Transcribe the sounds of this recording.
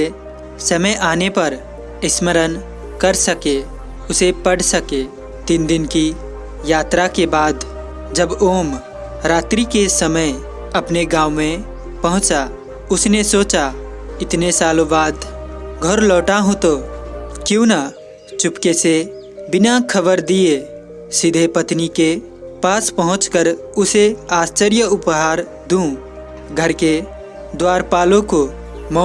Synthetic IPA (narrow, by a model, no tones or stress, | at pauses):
e | səməjʔaːnepəɾ | ɪsməɾən | kəɾsəke | ʊsepəɽsəke | t̪ɪnd̪ɪnki | jaːt̪ɾakebaːd̪ | d͡ʒəboːm | ɾaːt̪ɾikesəməj | ɐpneɡãːwmẽ | pɐɦʊ̃t͡ʃa | ʊsnesoːt͡ʃa | ɪt̪nesaːlobaːd̪ɡʱɔɾlɔːʈaɦũt̪okjõna | t͡ʃʊpkese | bɪnakʰəbəɾd̪ie | sɪd̪ʱepət̪nike | paːspəɦʊ̃t͡ʃkəɾ | ʊseaːst͡ʃəɾjəʊpɦaːɾ | d̪ũ | ɡʱəɾke | d̪waːɾpaːlõko | mɔ